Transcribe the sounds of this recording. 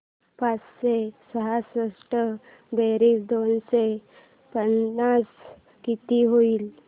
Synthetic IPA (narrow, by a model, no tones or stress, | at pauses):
pat͡ssesəɦasɾəsʈə | beɾiːsd̪onse | pənːas | kit̪iɦoiːl